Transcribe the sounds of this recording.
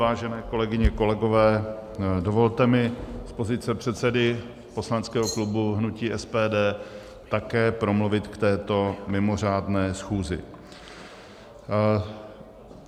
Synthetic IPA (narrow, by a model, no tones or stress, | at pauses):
aːʒɛnɛːko̞lɛɡɪɲɛko̞lɛɡo̞vɛː | do̞vo̞lt̪ɛmɪspo̞zɪt̪t͡sɛpr̝̥ɛt̪sɛdɪ | po̞slant͡skɛːɦo̞klubuɦnuciːʔɛspɛːdɛː | t̪akɛːpɾo̞mluvɪt̪kt̪ɛːt̪o̞mɪmo̞r̝aːdnɛːsxuːzɪ̰